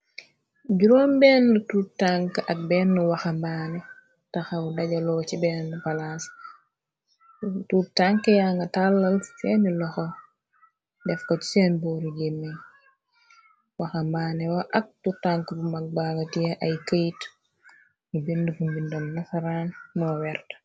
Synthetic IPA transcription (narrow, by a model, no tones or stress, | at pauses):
ɟuɾɔːmbɛːndututaŋkʔɐk̚bɛːnːuwɐxɐmbaːnɛ | tɐxɐwudaɟɐlɔːt͡ʃibɛːnupalas | tutaŋkjaŋɡɐtalːɐlfɛnilɔxɐ | dɛfkɐt͡ʃi̥sɛːnbɔɾuɟemːe | wɐxɐmbaːnɛwɐʔɐk̚tutaŋkbumak̚baːŋɡɐtijaʔɐjkəjt | nubindəfumbindɔmnɐfɐɾaːnmuɐwɛɾt